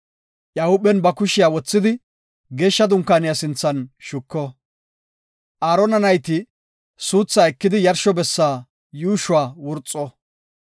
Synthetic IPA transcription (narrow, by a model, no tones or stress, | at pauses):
ʔjaːhʊɓɛnbɐkʊʃɪjaːwɔt͡sːɪd̪ɪ | ɡe̞ːʃːɐd̪ʊŋkːaːnɪjasɪnt͡sːɐnʃʊkːɔ | ʔaːɾɔnɐnɐjt̪ɪ | suːt͡sːaːɛkːɪd̪ɪjɐɾʃɔbɛsːaː | juːʃʊwaːwʊɾt͡sʼːɔ